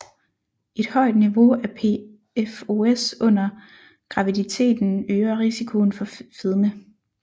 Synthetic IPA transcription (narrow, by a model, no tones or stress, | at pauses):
e̝d̥hɒ̽ɪ̰d̥niʋo̝æɐpʰe | efo̝esɔ̽n̰ɐ | ɡ̥ʁɑ̈ʋidit͡sʰe̝̰ːd̥n̩øːɐʁisikʰo̝ːnfɒ̽feðˠmə